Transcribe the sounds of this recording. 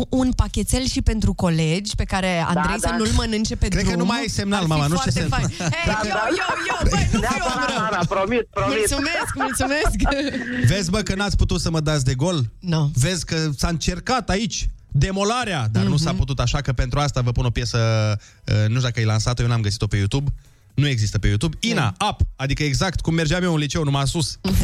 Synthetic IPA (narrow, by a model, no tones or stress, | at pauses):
unpakʲet̪selʃipe̞nt̪ɾuko̞le̞d͡ʒʲpe̞kaɾe̞a̰nɾejsanulmənɨnt͡ʃepekɾed̪ɾkəumajese̞mnalmamanuat͡ʃaesenakɾekəjojo | pɾomispomulsumeskmult̪sume̞skve̞zməkənat̪sʲput̪ut̪səməd̪at̪s̬ʲd̪e̞ɡo̞love̞zʲkəsaɨnt͡ʃe̞rkat̪ait͡ʃʲd̪e̞mo̞laɾead̪anusaput̪ut̪aʃakəpe̞nt̪ɾuast̪avəpuno̞pje̞sə | ənuʃ̬d̪akəajlansat̪ojenamɡəsi̥t̪ope̞jut̪ub | nue̞ɡzist̪əpe̞jut̪ubinaapad̪ikəeɡzakt̪kumːerd͡ʒeamieunlit͡ʃe̞wnumasus